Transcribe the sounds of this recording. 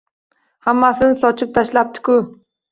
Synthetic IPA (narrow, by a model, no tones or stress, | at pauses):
hamːasɪnɪsɒt͡ʃʰɪp̚t̪ʰaʃlap̚t̪ʰɪ̥kʊ